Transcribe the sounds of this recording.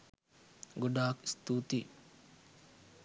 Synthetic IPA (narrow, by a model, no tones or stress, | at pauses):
ɡuɖaːkst̪ut̪i